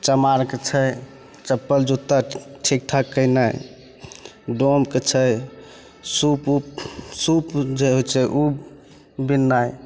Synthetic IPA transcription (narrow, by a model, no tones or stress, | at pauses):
t͡ʃəmaɾket͡ʃʰəj | t͡ʃəpːəld͡ʒut̪ːaʈʰik̚ʈʰakəjnaj | ɖomket͡ʃʰəj | sup | supd͡ʒeɦot͡ʃʰɛʔu | binːaj